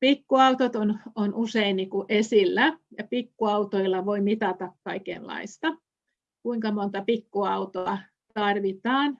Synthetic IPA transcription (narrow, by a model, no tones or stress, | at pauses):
pikːuɑut̪ot̪ononʔuseinniːkuʔesilːæjɑpikːuɑut̪oilːɑʋoimit̪ɑt̪ɑkkɑikḛllːɑ̰ist̪ɑ | kuiŋkɑmont̪ɑpikːuɑut̪oɑ | t̪ɑrʋit̪ɑːn